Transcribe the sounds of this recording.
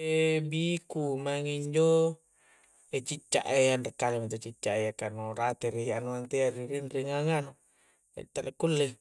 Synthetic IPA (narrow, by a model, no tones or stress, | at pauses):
ebikumaŋiɲd͡ʒo | et͡ʃit͡ʃːa̰ʔejandekːalimit̪ot͡ʃit͡ʃːaʔejakanorat̪eɾianuant̪eaɾiɾinriŋaŋanu | a̰t̪ːalekːulːe